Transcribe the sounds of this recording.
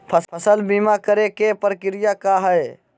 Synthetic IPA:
pʰəpʰəsəlbiːmakəɾekepɾəkɪɾɪjakaɦɛe

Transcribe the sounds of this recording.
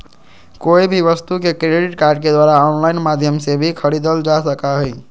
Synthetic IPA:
koibʱiʋəst̪ukekɾeɖiʈkaɾɖ̚ked̪waɾaɔnlainmad̪ʱjəmsebʱikʰəɽid̪əld͡ʒasəkaɦəj

